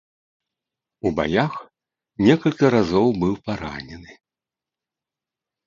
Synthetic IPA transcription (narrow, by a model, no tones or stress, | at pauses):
uba̰jax | nʲɛkɐlʲkʲiɾazɔwbɨwpaɾa̰nʲɛnɨ